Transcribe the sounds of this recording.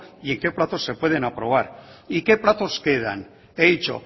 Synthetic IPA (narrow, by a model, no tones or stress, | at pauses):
ie̞ŋke̞plat̪o̞sːe̞pwe̞ð̞e̞napɾo̞β̞aɾike̞plat̪o̞ske̞ð̞a̰n | eðit͡ʃo̞̰